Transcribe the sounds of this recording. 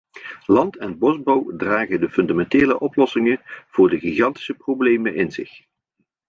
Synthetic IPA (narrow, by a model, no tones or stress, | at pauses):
lɑntɛnbɔzbowdraːχəndəfɵndamɛnteːləʔɔplɔsɪŋənv̥ʊːɹdəɣiɣɑnti̥səprowblejmənʔɪnzɪ̰χ